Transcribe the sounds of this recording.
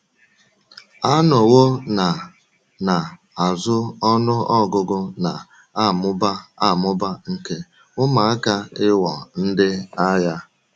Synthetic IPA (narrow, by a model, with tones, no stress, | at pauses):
a˦nɔ˨wo˦na˨ | na˨ | a˨zʊ˦ɔ˦nʊ˦ɔ˦ɡʊ˦ɡʊ˦na˨ | a˦˨mʊ˦ba˦a˦˨mʊ˦ba˦ŋ̩˦ke˦ | ʊ˦ma˨a˦ka˦ɪ˦wɔ˨n̩˦dɪ˦a˦ja˦